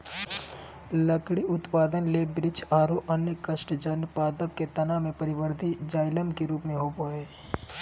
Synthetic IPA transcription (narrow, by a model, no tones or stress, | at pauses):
lɐkɽiʊt̪paːd̪ənleːbɾɪt͡ʃʰaːɾoʔɐnjəkəʃʈd͡ʒɐnpaːd̪əp̚ket̪ɐnamẽpɐɾɪʋəɾd̪ʱid͡ʒaːɪləmkiɾuːpmẽɦopoːeː